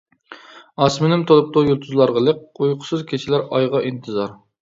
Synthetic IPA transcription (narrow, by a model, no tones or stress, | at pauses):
ɑsmɪnɪmt̪ʰolˠup̚t̪ujulˠt̪ʰuzlˠɑɾʁəlˠək̚ujqʰʊ̥sɨzkʲʰet͡ʃʰɪlæɾɑjʁɑʔint̪ʰɨzɑɾ